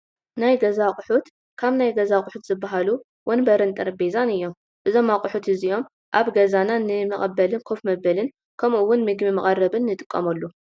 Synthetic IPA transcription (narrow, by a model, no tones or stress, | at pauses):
najɡɐzakʼʊħut̪ | kʰaβnajɡɐzakʼʊħut̪z̥ɨbːaɦalu | wʔɐnbɐɾɨnt̪ʼɨɾbezanɨjːo̞m | bɨzo̞makʼʊħut̪ɨzijo̞m | ʔaβɡɐzananɨmɐχʼɐbːɐlɨnkʰofmɐbːɐlɨn | kʰɐmʔuwːʊnmɨɡmimɐχʼɐrɐβɨnːɨt̪ʼɨ̥kʼːɐmɐlːu